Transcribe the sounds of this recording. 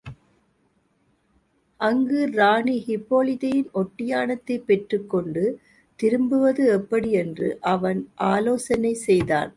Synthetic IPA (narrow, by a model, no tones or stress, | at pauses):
ʔɐŋɡɯɾaːɳihɪpːoːlɪðɐjɪnɔʈːɪjaːnɐt̪ːɐɪpːɛʈrɯkːɔɳɖɯ | t̪ɪɾɯmbɯʋɐðɯɛpːɐɽiɛndrɯ̰ʔɐʋɐnʔaːloːsɐnɐɪsɛjða̰ːn